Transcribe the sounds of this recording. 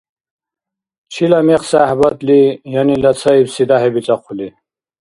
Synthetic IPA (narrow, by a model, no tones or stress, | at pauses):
t͡ɕʰilameqsahbɐt̪lijɐnilɐt͡sʰɐibsid̪aɦebit͡saqʰuli